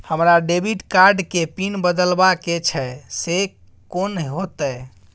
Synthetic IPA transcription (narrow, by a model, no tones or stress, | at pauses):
həmɾaɖebiʈkaɾɖkepinbəd̪əlbaket͡ʃʰɛse | konɦot̪ɛ